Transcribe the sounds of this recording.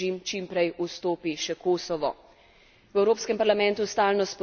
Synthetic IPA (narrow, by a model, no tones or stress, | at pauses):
imt͡ʃimpɾɛjust̪oːpiʃɛkoːsɔʋɔ | wɛwɾoːpskɛmpaɾlamɛ̃nt̪ust̪aːlnɔspɔ